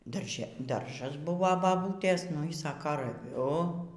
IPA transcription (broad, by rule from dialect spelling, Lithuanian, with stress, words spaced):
dɐrʲˈʒʲɛ ˈdɐrʒɐs ˈbʊʋoː bɐˈbuːtʲeːs nʊ iː ˈsɑːkɐ rɐˈʋʲʊ